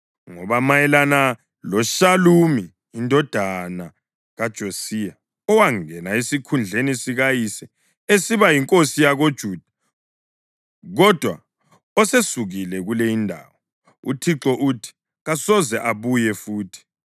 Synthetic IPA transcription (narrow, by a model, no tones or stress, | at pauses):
ŋɔβamajɛlana | lɔʃalumiː | ndʱɔd̥ʱana | ɣad̥ʒ̥ʱosija | ɔwaŋɛnaesikʰund͡ɮʱenisiɣajisɛ | esiβajiŋkʼosijaɣod̥ʒ̥ʱuːd̥ʱḁ | ɣɔd̥ʱwa̰ | ɔsesuɣilɛɣulejindʱa̰wɔ | ṵtʰiǁɔʔutʰi̥ | ɣasɔzɛʔaβujɛfuːtʰi̥